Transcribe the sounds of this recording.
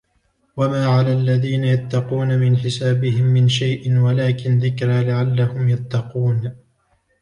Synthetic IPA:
wamaːʕalaːlːaðiːnajat̪ːɑquːnamɪnħɪsaːbɪhɪmːɪnʃajʔɪnwalaːkɪnðɪkɾaːlɪʕalːahʊmjat̪ːɑquːn

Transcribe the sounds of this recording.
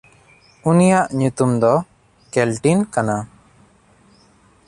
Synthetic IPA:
unijaʔɲut̪umd̪ɔ | kɛlʈinkana

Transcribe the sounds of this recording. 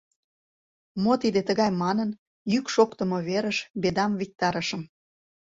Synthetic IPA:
mot̪id̪et̪əɣɑjmɑnən | jykʃokt̪ə̆moβeɾəʃbed̪ɑmvik̚t̪ɑɾəʃə̆m

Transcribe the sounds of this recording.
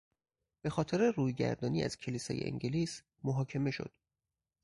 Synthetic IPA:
b̥e̞xɒːt̪ʰeɾeruːjɡæ̰ɾd̪ɒːniːæ̰z̥cʰe̞liːsɒːjeʔḛŋɟeliːs | moɦɒːcʰe̞me̞ʃo̞̰d̪̥

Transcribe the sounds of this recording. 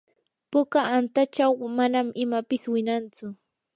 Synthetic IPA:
pʊkaant̪at͡ʃawmanamʔɪmapɪswɪnant͡sʊ

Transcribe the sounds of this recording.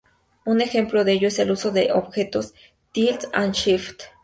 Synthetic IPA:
unexemploðeejoiselusod̪eʔobxet̪os | t̪ilt͡sanʃift̪

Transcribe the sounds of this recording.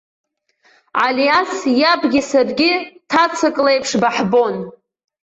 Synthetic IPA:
ʕaljasjabɡʲɪsarɡʲɪtʰat͡sʰɨkʼlejpʰʂbaħbo̞n

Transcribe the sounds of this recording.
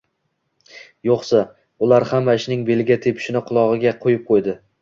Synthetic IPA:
joqsa | ʊlaɾhamːaɪʃnɪŋbe̞lɪɡʲat̪ʰepʰɪ̥ʃɪnɪqʰʊlˠɒʁɨɡʲaqʰojɪp̚qʰojd̪ɪ

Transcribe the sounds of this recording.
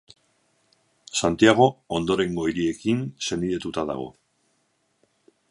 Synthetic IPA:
sant̪iaɣ̞o̞ond̪o̞ɾe̞ŋɡo̞iɾie̞kinse̞niðe̞t̪ut̪aða̰ɣ̞o̞̰

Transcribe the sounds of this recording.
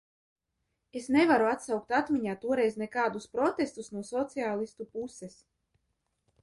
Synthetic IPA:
esnevaɾuat̪sawk̚t̪at̪miɲaːt̪uɔɾɛjznɛkaːd̪uspɾɔt̪est̪usnuɔsɔt̪siaːlˠist̪upuses

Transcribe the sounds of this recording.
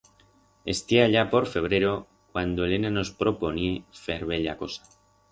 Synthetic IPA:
e̞̰st̪jeaʎapo̞ɾfe̞β̞ɾe̞ɾo̞ | kwand̪oele̞nano̞spɾo̞po̞niefe̞ɾβeʎa̰ko̞sḁ

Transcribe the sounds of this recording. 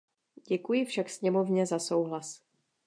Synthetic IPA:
ɟɛkujɪfʃaksɲɛmo̞vɲɛzaso̞wɦlas

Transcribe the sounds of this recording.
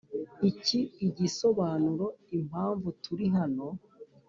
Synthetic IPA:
iciːɟiso̞βaːnuɾo̞im̥aːɱvutuɾiɦano̞

